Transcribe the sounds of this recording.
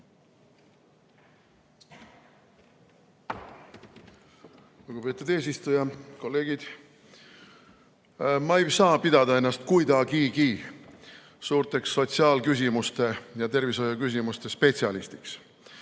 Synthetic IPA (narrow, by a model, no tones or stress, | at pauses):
luɡube̞ːt̪ːˑud̪e̞ːs̬ist̪ujɑko̞lːe̞ːɡ̥id̪̥ | mɑejsɑːpid̪̥ɑd̪ɑe̞nːɑst̪̚kujd̪ɑkikiː | suːrt̪e̞ksːo̞t̪siɑːlkys̬ʲimust̪e̞jɑt̪e̞rviso̞jɑkys̬imust̪e̞spe̞tsiɑlist̪iks